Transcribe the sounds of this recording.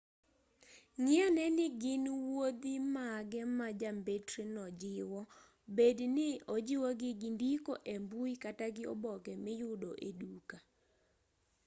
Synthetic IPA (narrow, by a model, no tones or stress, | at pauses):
ŋɪanɛnɪɡɪnwod̪imaɡɛmad͡ʒambetɾinɔd͡ʒɪwɔ | bednɪod͡ʒɪwɔɡɪɡɪndikoʔembuikataɡɪɔ̰bɔkɛmɪjʊdoʔeduka